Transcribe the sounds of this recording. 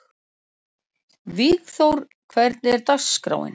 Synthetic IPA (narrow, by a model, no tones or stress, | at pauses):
viːɣθowɾ̥ | kʰvɛɾt̪nɪɛɾt̪asːkɾa̰ːwɪ̰n